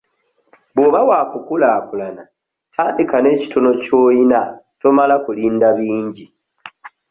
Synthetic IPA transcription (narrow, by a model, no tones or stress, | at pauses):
βoβawaːkukulaːkulana | tʰaːndikane̞ːci̥tʰono̞co̞ːjinatomalakuliːndaβiːɲɟi